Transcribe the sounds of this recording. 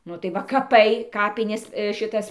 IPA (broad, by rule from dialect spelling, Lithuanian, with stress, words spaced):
ˈnʊ tɐɪ ˈʋɐ kɐˈpɐɪ ˈkɑːpʲɪnʲeːs ʃʲɪˈtɐs